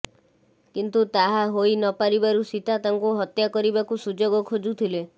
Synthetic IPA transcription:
kint̪ut̪aɦaɦojnɔpaɾibaɾusit̪at̪aŋkuɦɔt̪jakɔɾibakusud͡ʒoɡɔkʰod͡ʒut̪ʰile

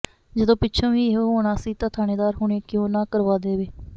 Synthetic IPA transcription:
d͡ʒəd̪õːpɪtːt͡ʃʰõːʋiːɦoɦoːɽaːsiːt̪ãːt̪ʰaːneːd̪aːɾɦʊɳeːkjõːnãːkəɾʋaːd̪eːʋeː

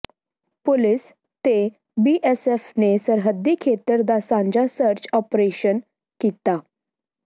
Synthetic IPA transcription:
pulis | t̪e | biʔesefnesəɾɦəd̪ːikʰet̪əɾd̪asãɲd͡ʑasəɾt͡ɕɔpɾeɕən | kit̪a

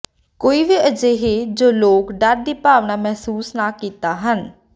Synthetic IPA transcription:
koːiːʋiːʔəd͡ʒeːɦeːd͡ʒoːloːkɖəɾ̚d̪iːpaːʋnaːmɛɦsuːsnaːkiːt̪aːɦən

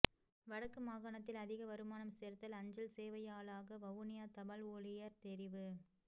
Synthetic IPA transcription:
ʋɐɽɐkːɯmaːɣaːɳɐt̪ːɪlɐðɪɣɐʋɐɾɯmaːnɐmseːɾt̪ɐlɐɲd͡ʒɐlseːʋɐjaːɭaːɣɐʋɐʋʊnɪjaːt̪ɐmɐloːɭɪjɐɾt̪ɛɾɪʋɯ

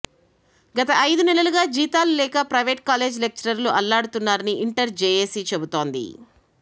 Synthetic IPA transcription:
ɡɐt̪ɐʔɐjd̪unɛlɐluɡaːd͡ʒiːt̪aːlulɛːkɐpɾɐjʋe̞ːʈ̚kaːle̞ːd͡ʒlek̚t͡ʃɐɾɐɾluʔɐlːaːɽut̪unːaːɾɐniiɳʈɐɾd͡ʒeːjeːsit͡ʃe̞but̪o̞ːnd̪ḭ

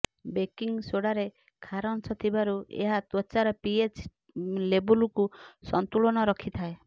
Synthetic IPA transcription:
bekiŋsoɽaɾe | kʰaɾɔnsʰɔt̪ʰibaɾuḛɦat̪ɔt͡ʃaɾɔpiet͡ʃ | lebulkusɔnt̪uɭɔɽ̃ɔɾɔkʰit̪ʰae

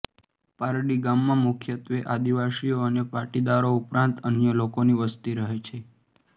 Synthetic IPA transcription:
paɾɽiɡamːãmʊkʰjət̪ʋeʔad̪iʋasijoənepaɾʈid̪aɾoupɾãnt̪ənjəlokoniʋəst̪iɾəɦet͡ʃʰe

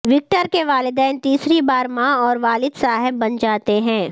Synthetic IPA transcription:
ʋɪk̚ʈəɾkeʋaːlɪd̪ɛːnt̪iːsɾibaːɾmãɔːɾʋaːlɪd̪saːɦɪbːɐnd͡ʒaːt̪eɦɛ̃ː

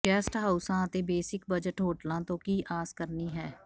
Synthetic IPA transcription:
kɛːsʈɦaːʊsãːət̪ebeːsɪkbəd͡ʒəʈɦoːʈlãːt̪õkiʔaːzkəɾniɦɛː

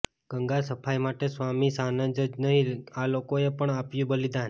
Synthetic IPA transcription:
ɡ̥əŋɡasəpʰajmaʈesʋamisanə̃d͡ʒəd͡ʒnəɦilalokoepəɳapjũbəlid̪an

